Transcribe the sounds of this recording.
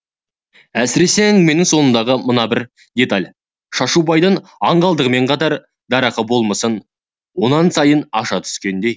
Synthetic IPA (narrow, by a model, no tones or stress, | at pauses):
æsɪɾe̞seŋme̞nɪŋso̞nənd̪ɑʁəmənɑbɪɾ | d̪ʲe̞t̪alʲ | ʃɑʃubɑjd̪əɴɑɴɢɑlˠd̪əʁəme̞ɴqʰɑt̪ɑɾ | d̪ɑɾɑqəbo̞lˠməsən | wo̞nɑnsɑjənɑʃɑt̪ʰʏ̥skʲe̞nd̪e̞j